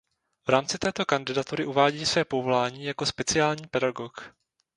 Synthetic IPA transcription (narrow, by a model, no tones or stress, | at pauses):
vɾaːmt͡sɪt̪ɛːt̪o̞kandɪdat̪uɾɪʔuvaːɟiːsvɛːpovo̞laːɲiːjako̞spɛt͡sɪaːlɲiːpɛdaɡo̞k